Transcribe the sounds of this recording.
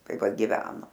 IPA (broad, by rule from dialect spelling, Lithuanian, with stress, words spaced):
ˈtɐɪ ˈʋɐ ɡʲɪˈʋʲæːnoː